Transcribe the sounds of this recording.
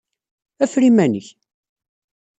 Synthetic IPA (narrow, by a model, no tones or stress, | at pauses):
æfɾimænəç